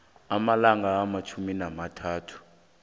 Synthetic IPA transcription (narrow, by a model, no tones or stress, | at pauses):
amalaŋaːmat͡ʃʰuminamatʰaːtʰu̥